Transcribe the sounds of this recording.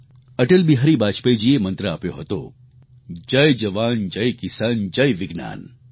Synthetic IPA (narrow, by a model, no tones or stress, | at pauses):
ɐʈəlbiɦɐɾibaːt͡ʃpejd͡ʒiemɐ̃nt̪ɾaːpjoɦɐt̪o̰ | d͡ʒɐjd͡ʒɐʋaːnd͡ʒɐjkɪsaːnd͡ʒɐjʋɪɡna̰ːn